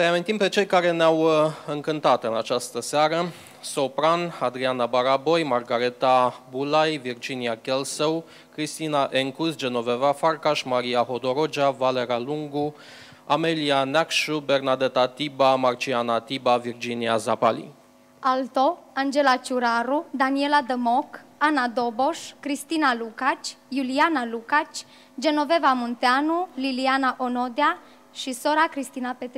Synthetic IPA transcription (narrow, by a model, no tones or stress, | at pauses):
əejamint̪impe̞t͡ʃe̞jkaɾe̞neawɨŋkɨnt̪at̪ɨnat͡ʃast̪əseaɾə | so̞pɾanad̪ɾianabaɾabo̞jmarɡaɾet̪abulajvird͡ʒiniakʲelsəw | kɾist̪inaʔeŋkusd͡ʒe̞no̞ve̞vafarkaʃmaɾiaɦo̞d̪o̞ɾod͡ʒavale̞ɾaluŋɡu | amelianakʃubɛɾnad̪ɛt̪at̪ibamaɾt͡ʃʰianat̪ibaviɾd͡ʒiniazapalḭ | alt̪oand͡ʒelat͡ʃuɾaɾud̪anielad̪əmɔkanad̪oboʃkɾist̪inalukat͡ʃjulianalukat͡ʃ | d͡ʒenovɛvamunt̪eanulilianaʔonod̪ea | ʃisoɾakɾist̪inapet̪ɾ